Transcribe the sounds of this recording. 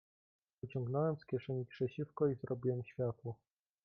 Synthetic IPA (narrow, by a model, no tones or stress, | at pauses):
ɘt͡ɕɔ̃ŋɡnɔwɛmskʲjɛʂɛɲipʂɛt͡ɕifkɔizɾɔbʲiwɛmɕfʲjat̪wɔ